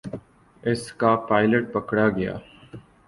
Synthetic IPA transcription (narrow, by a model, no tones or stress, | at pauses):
ɪskapaːɪləʈ̚pɐkɽaɡɐja̰ː